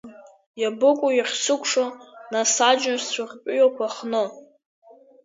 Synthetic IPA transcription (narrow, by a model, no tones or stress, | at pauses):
jabɨkʷʼujaχʲsɨkʷʼʰʂonasad͡ʒnsʷarʲpʼjokʷʰaχnɨ